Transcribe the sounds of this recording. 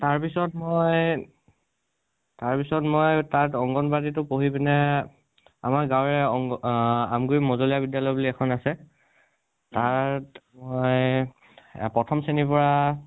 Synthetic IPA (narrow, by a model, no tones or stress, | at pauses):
taɹpisɔtmoj | taɹpisɔtmojtatɔŋɡɔnbaditʊpoɦibinɛ | a̰maɹɡawɹɛɔ | a̰mɡuɹimɔzolijabidjalɔjbuliɛkʰɔnasɛ | taɹtmoj | pɹɔtʰɔmsenipɔɹa